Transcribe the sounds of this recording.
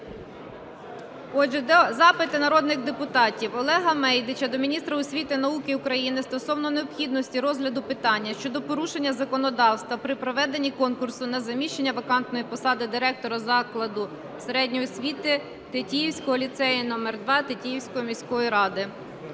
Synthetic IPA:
ɔd͡ʒɛzɑpɪt̪ɪnɐɾɔd̪nɪɣd̪epʊt̪ɑtʲiwɔlˠɛɦɐmɛjd̪ɪt͡ʃɐd̪ɔmʲinʲist̪ɾɐʊsʲʋʲit̪ɪnɐukɪʊkɾɐjinɪst̪ɔsɔwnɔneɔpxʲid̪nɔsʲtʲiɾɔzɦlʲɐd̪ʊpɪt̪ɑnʲːɐʃt͡ʃɔd̪ɔpɔɾuʃe̞nʲːɐzɐkɔnɔd̪ɑwst̪ʋɐpɾɪpɾɔʋɛd̪enʲːikɔnkʊrsʊnɐzɐmʲiʃt͡ʃenʲːɐʋɐkɑnt̪nɔjipɔsɑd̪ɪd̪ɪɾɛk̚t̪ɔɾɐzɑklˠɐd̪ʊ | seɾɛdʲnʲijɔsʲʋʲit̪ɪ | t̪etʲijiwsʲkɔɦɔlʲit̪sɛjinɔmɛrd̪ʋɑt̪etʲijiwsʲkɔjɔmʲisʲkɔʋɔjɾɑd̪ɪ

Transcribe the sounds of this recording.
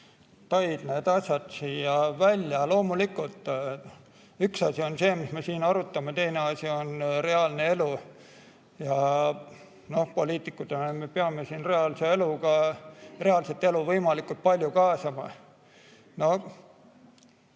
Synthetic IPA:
t̪ɑjd̪̥ne̞ːd̪̥ɑsʲjɑd̪̥sijɑvælʲjɑlo̞ːmulikːˑult̪ːˑ | yksɑsʲio̞nse̞ːmisme̞siːnɑɾut̪ːˑɑmet̪e̞jne̞ɑsʲio̞nre̞ɑlne̞e̞lu | jɑ | no̞hpo̞liːt̪ˑikːˑut̪enemepeɑme̞siːnre̞ɑlsee̞lukɑre̞ɑlset̪ːe̞luvɤjmɑlikult̪̚pɑlʲjukɑːsɑmɑ̰ | no̞

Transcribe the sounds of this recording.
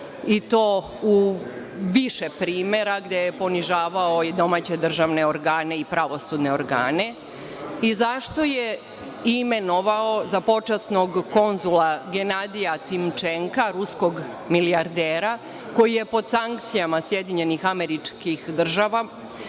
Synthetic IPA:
it̪o̞ː | u | ʋiʃepɾiːme̞ɾaɡd̪ejepo̞niʒaːʋaoid̪o̞maːt͡ɕe̞d̪r̩ʒaʋne̞oɾɡaːne̞ipɾaʋo̞sud̪ne̞oɾɡa̰ːne̞ | izaʃt̪o̞je | ime̞no̞ʋaozapo̞t͡ʃasnoɡko̞nzulaɡe̞nad̪ijat̪imt͡ʃeŋkaɾusko̞ɡ | miliaɾd̪eːɾa | ko̞jije̞po̞d̪saŋkt̪sijamasjed̪iɲe̞nixameɾit͡ʃkixd̪r̩ʒaʋa

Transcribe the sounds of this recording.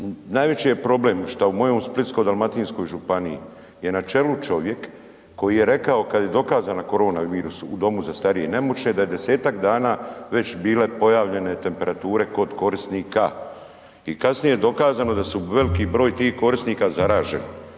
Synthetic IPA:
naːjʋe̞t͡ɕijepɾo̞ble̞mʃt̪aumo̞jo̞msplit̪skojd̪almat̪iːnsko̞jʒupaniḭ | je̞nat͡ʃe̞lut͡ʃo̞ʋje̞kː | o̞jije̞ɾe̞kao̞kad̪je̞d̪o̞kaːzanako̞ɾo̞ːnaʋiːɾusuud̪o̞muzast̪aɾijene̞mut͡ʃned̪aje̞d̪e̞se̞ːt̪akd̪aːnaːʋe̞t͡ɕbiːle̞po̞jaːʋʎe̞ne̞t̪e̞mpe̞ɾat̪uːɾe̞ko̞d̪ko̞ɾist̪niːka | ikasnijejed̪o̞kaːzano̞d̪asuʋe̞likibɾo̞ːjt̪iːhko̞ɾisniːkazaɾaːʒe̞̰n

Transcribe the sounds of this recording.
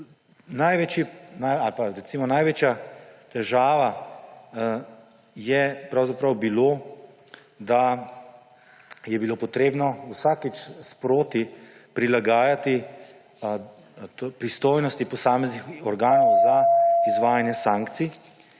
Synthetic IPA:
najʋet͡ʃjinajalpaɾɛtsimɔnajʋeːt͡ʃjat̪ɛʒaːʋa | jɛpɾawzapɾɐwbiloː | d̪a | jɛbiloːpɔt̪ɾeːbnɔwsakit͡ʃspɾoːt̪ipɾilaɡaːjat̪i | pɾist̪oːjnɔst̪ipɔsaːmɛznixɔɾɡaːnɔwzaizʋaːjanjɛsaːŋkt̪si

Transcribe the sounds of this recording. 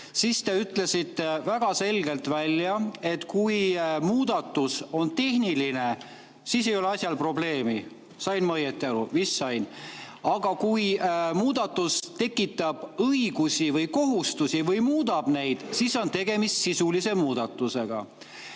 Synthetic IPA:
sist̪e̞yt̪ˑle̞sit̪ːˑevæɡ̥ɑse̞lɡe̞lt̪vælʲːjɑe̞t̪kujmuːd̪ɑt̪ːˑuso̞nt̪e̞hniline̞ | siːs̬e̞jo̞leɑsʲjɑlpro̞ble̞ːmi | sɑjnmɤjet̪ːˑiɑɾuvisːɑjn | ɑɡ̥ɑkujmuːd̪̥ɑt̪ːˑust̪e̞kːˑit̪ːˑɑb̥ɤiɡ̥usivɤjko̞ɦust̪usivɤjmuːd̪̥ɑb̥ne̞jd̪̥siso̞nt̪e̞ɡ̥e̞mist̪sisulise̞muːd̪̥ɑt̪ːˑuse̞ɡ̥ɑ̰

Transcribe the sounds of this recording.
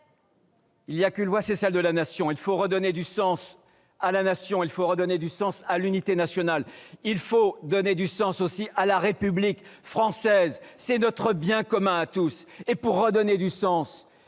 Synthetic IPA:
iljakylvwasɛsɛld̪əlanasjɔ̃ilfoʁəd̪ɔned̪ysɑ̃s | alanasjɔ̃ilfoʁəd̪ɔned̪ysɑ̃salynit̪enasjɔnalilfod̪ɔned̪ysɑ̃sosiʔalaʁepyblikfχɑ̃sɛzsɛnɔt̪χəbjɛ̃kɔmɛ̃at̪usepuʁːəd̪ɔned̪ysɑ̃s

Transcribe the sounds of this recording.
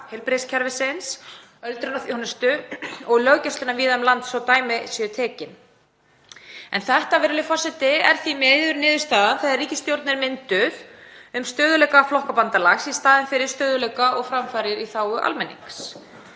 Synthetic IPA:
hɛlpɾescʰɛɾvɪsens | œlt̪ɾʏnaθjohnʏst̪ʏɔɣlœɣcœst̪ʏnaviːðaʏmlant̪sɔwt̪aːjmɪsjɛt̪ʰɛːcɪn | ɛ̰nθɛht̪avɛːɾɪlɪfɔrsɛt̪ɪɛɾ̥θimɛjðʏɾnɪːðʏ̥ɾst̪aːðaθɛðariːcɪst̪jowɾt̪nɪɾmɪnt̪ʏðʏmst̪œːðʏlɛjkaflɔhkapant̪alaxsist̪aːðɪnfɪɾɪɾ̥st̪œːðʏlɛkaʔɔɣfɾamfaːɾɪɾiθaːwʏʔa̰lmɛnːḭŋks

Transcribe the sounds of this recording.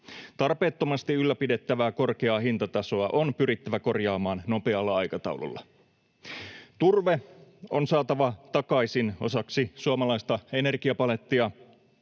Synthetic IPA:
t̪ɑrpe̞ːt̪ːo̞mɑst̪iylːæpide̞t̪ːæʋæːko̞rk̟eɑːɦint̪ɑt̪ɑso̞ɑʔo̞npyɾit̪ːæʋæko̞rjɑːmɑːnno̞pe̞ɑlːɑɑjkɑt̪ɑ̰wlṵlːɑ̰ | t̪urʋe̞onsɑːt̪ɑʋɑt̪ɑkɑjsino̞̰sɑksisuɑmɑlɑjst̪ɑe̞ne̞rɡiɑpɑle̞t̪ːiɑ

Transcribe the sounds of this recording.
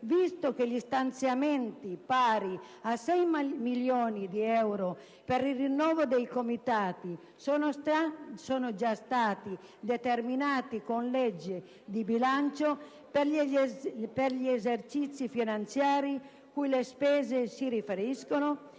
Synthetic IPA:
vist̪okeʎist̪ant̪sjamɛnt̪ipaːɾi | asɛjmiljoːnid̪iɛwɾo | peɾirinːɔːvod̪ejkomit̪aːt̪i | sonoasɔːnod͡ʒast̪aːt̪i | d̪et̪erminaːt̪ikonlɛd͡ʒːe | d̪ibilant͡ʃo | p | perʎiezert͡ʃit̪sːifinant̪sjaːɾi | kujlespɛːzesiɾifeɾiskono

